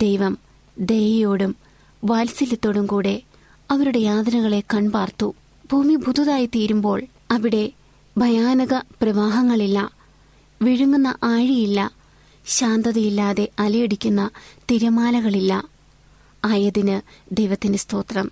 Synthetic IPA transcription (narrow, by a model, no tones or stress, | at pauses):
d̪̥ejʋɐm | d̪e̞jɐjoːɽum | ʋaːlsilit̪ːo̞ːɽumkuːɽe̞ | ɐʋɐɾuɽe̞jaːd̪ɐnɐɣɐɭe̞kɐɳbaːrt̪ːu | bʱuːmibʱud̪ʱuðaːjit̪iːɾumbo̞ːɭ | ɐʋiɽe̞ | bʱɐjaːnɐɣɐprɐʋaːɦɐŋːɐɭilːɐ | ʋiɻuŋːunːɐ̰ʔaːɻijilːɐ | ɕaːnd̪ɐðɐjilːaːðe̞ʔɐlɐjeɽikʲːunːɐt̪iɾɐmaːlɐɣɐɭilːɐ | aːjɐðinɨd̪e̞jʋɐt̪ːinɨst̪o̞ːt̪rɐm